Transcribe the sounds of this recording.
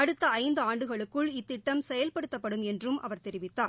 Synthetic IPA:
ɐɽɯt̪ːɐɐɪnd̪ɯaːɳɖɯɣɐɭɯkːɯɭɪt̪ːɪʈːɐmsɛjɐlpɐɽɯt̪ːɐpːɐɽɯmɛndrɯmʔɐ̰ʋɐɾt̪ɛɾɪʋɪt̪ːaːɾ

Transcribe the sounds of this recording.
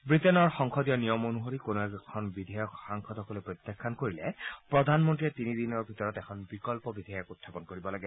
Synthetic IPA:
bɹitɛnɔɹxɔŋxɔdiɔnijɔmonuɦoɹikonuɛkʰɔnbid̪ʱajɔkxaŋkʰɔdhɔkɔlepɹɔt̪jakʰːankoɹilɛpɹɔd̪ʱanmɔntɹiɛt̪inid̪inɔɹbʱitɔɹɔtɛkʰɔnbikɔlpɔbidʱaɔkut̪ʰːapɔnkoɹibɔlaɡɛ

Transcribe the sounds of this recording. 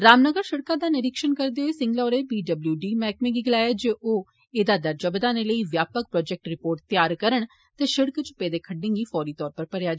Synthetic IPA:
ɾaːmnəɡəɾʃɪɽkãːd̪aːnɪɾɪkʃənkəɾd̪eoeːsɪ̃ŋɡlɔːɾeːbiːɖəbljuːɖiːmɛːkmẽːɡiːɡɪlaːjaːd͡ʒeːʔoː | eːd̪aːd̪əɾd͡ʒəbəd̪aːneləiːʋjaːpək̚pɾɔːd͡ʒɛk̚ʈɾɪpoːɾʈ̚t̪ɪjaːɾkəɾəɳ | t̪eːʃɪɽkt͡ʃʊ̥pːeːd̪eːkʰəɖɪ̃ŋɡiːfʰɔːɾiːt̪ɔːɾpəɾpəɽejaːd͡ʒ

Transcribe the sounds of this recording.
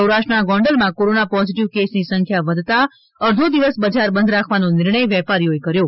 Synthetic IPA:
əwɾaʃʈənaɡɔ̃ɳɖəlmãkoɾonapɔziʈiʋkesnisə̃ŋkʰjaʋəd̪ʱt̪a | əɾd̪ʱud̪iʋəsbəd͡ʒʱaɾbənd̪ʱɾakʰʋanonɪɾɳəjʋɛpaɾijoekəɾjo

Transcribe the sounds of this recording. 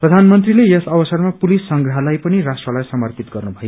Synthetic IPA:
prʌd̪ʱanmʌnt̪̬rilejʌsʌbʌsʌrmapulisːʌŋɡrʌɦʌlajpʌniɾasʈrʌlajsʌmʌrpit̪̚ɡʌrnubʱʌj

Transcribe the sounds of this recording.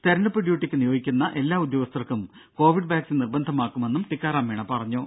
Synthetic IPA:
st̪ʰɐɾɐnɐpːrɐɖjuːʈːikʲːɨnijo̞ːɡikʲːunːɐʔe̞lːaːud̪jo̞ːɡɐst̪ɐrkːum | ko̞ːʋiɖbaːksinirbɐnd̪ʱɐmaːkːume̞nːumʈikːaːɾaːmʋeːɳɐpɐrɐɲːoː

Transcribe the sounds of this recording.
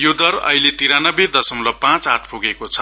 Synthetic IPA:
jod̪ʌrʌ̰ɦilet̪iɾanʌbed̪ʌsʌmlʌpãt͡saʈʰpʰuɡekot͡sʰʌ

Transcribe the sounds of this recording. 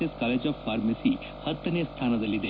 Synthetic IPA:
askalet͡ɕjafaɾmesiː | hət̪ːənest̪ʰanad͡zʱaliːd̪e

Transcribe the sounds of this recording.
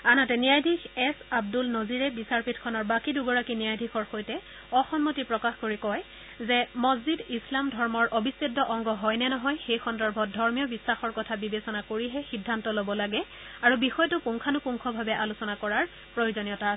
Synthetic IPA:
anatɛniajdʱixɛsab̚dulnɔziɹɛbisaɹpitkʰɔnɔɹbakiduɡɔɹakinijajdʱixʰɔɹxojtɛ | ɔxɔnmotipɹɔkaxkoɹikɔj | zɛmɔzzidislamdʱɔɹmɔɹʔobisedːɔʔɔŋɡɔɦɔjnɛnɔɦɔjxejxɔndɔɹbʱɔt̚dʱɔɹmijɔbisːaxɔɹkɔtʰabibesɔnakoɹiɦɛxidʱːantɔlobɔlaɡɛ | aɹubixɔjɔtʊpuŋkʰanʊpuŋkʰɔbʱabɛʔalusɔnakɔɹaɹ | pɹojozonijɔta

